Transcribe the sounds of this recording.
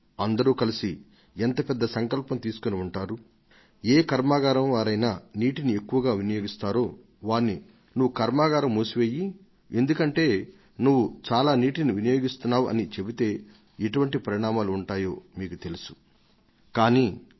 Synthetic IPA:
ɐnd̪ɐɾuːkɐlisi | ent̪ɐpɛd̪ːɐsɐŋkɐlpɐmt̪iːsu̥koniuɳʈaːɾu | eːkɐɾmaːɡaːɾɐmʋaːɾɐjnaːniːʈinie̞kːuʋɐɡaːʋinɐjo̞ːɡist̪aːɾo̞ː | ʋaːnːi | nuʋːukɐɾmaːɡaːɾɐmːuːsuʋeːji | e̞nd̪ukɐɳʈe̞ː | nuʋːut͡ʃaːlaːniːʈiniʋinɐjo̞ːɡist̪unːaːʋʔɐ̰nit͡ʃe̞bit̪e̞ː | iʈuʋɐɳʈipɐɾiɳaːmaːluːɳʈaːjo̞ːmiːkut̪e̞lusu̥ | kaːniː

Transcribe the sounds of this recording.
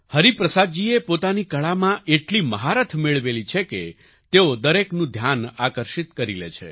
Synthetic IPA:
həɾipɾəsad̪̚d͡ʒiepot̪anikəɭamãʔeʈliməɦaɾət̪ʰmeɭʋelit͡ʃʰekḛ | t̪eod̪əɾeknũd̪ʱjanakəɾʃit̪kəɾilḛt͡ʃʰḛ

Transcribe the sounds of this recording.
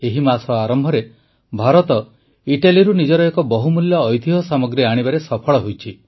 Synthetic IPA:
eɦimasɔaɾɔmbʱɔɾe | bʱaɾɔt̪ɔ | iʈaliɾunid͡ʒɔɾɔekɔbɔɦumuljɔːjd̪ʱiɦɔsamɔɡɾiaɽ̃ibaɾesɔpʰɔɭɔɦojt͡ʃʰi

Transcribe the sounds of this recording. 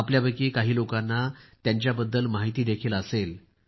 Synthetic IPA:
apljaʋəkiːkaɦiːlokanːat̪jaɲt͡ɕjabəd̪ːəlmaɦit̪iːd̪ekʰiːləsel

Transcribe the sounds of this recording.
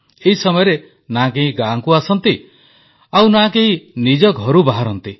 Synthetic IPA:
eɦisɔmɔjɔɾe | nak̬eɦĩɡaŋkuasɔnt̪i | awnakeɦĩnid͡ʒɔɡʱɔɾubaɦaɾɔnt̪i

